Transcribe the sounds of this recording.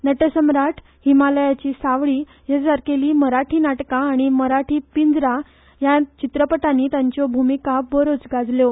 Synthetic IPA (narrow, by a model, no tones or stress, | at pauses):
nəʈəsəmɾaʈʰ | himaləjat͡ɕiːsaʋɭiː | jasaɾkeliːməɾaʈʰiːnaʈkãːɽ̃iməɾaʈʰiːpind͡zɾa | jat͡ɕit̪ɾəpəʈãnːiːt̪jãɲt͡ɕɔbʱumikabəɾot͡sɡad͡zljɔ